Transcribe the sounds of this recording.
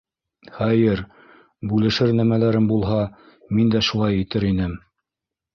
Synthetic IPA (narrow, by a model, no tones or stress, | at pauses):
χæjɘɾ | bʉlɘ̆ʃɘɾnæmælæɾɘmbulˠɦɑ | mind̪æʃulˠɑjĭt̪ɘɾinɘm